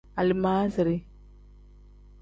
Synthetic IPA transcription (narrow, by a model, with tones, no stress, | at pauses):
a˨li˨maː˦zi˨ɾi˦